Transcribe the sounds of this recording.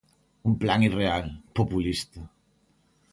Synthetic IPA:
umplaŋirealpopulist̪ə

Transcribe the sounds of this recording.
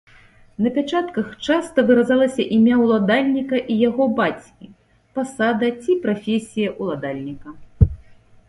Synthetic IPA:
nɐpʲat͡ʂat̪kɐxt͡ʂast̪ɐvɨɾazalˠɐsʲɐʔimʲawlˠad̪alʲnʲikɐʔijaɣɔbat͡sʲkʲi | pasad̪ɐt͡sʲipɾafʲesʲijɐʔulˠad̪alʲnʲikɐ

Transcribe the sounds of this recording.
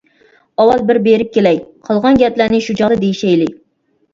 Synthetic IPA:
ɑwɑlˠbɪɾbeɾɪp̚kʲelɛjqʰɑlˠʁɑnɡʲɛt̪læɾnɪʃud͡ʒɑʁd̪ɨd̪ejiʃɛjlɪ

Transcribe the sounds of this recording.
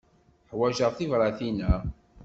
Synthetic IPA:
ħwæʒəʁθivɾˤɑθinæ

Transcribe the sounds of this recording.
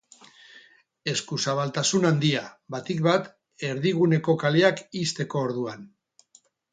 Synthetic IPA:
e̞skusaβalt̪asunand̪iaβat̪ik̚βat̪ | e̞ɾðiɣ̞une̞ko̞kaleakist̪e̞ko̞ːɾðuan

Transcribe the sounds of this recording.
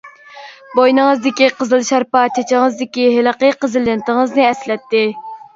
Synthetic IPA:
bojnɨŋəzd̪ɪkʲiqəzɨlˠʃɑɾpɑt͡ʃʰet͡ʃʰɪŋəzd̪ɪkʲiɦɪləqəqəzɨlːɪnt̪əŋəznɨɛslɛt̪ːɪ

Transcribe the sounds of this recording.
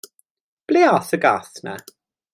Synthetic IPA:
b̥liːaθəɡaθna̰

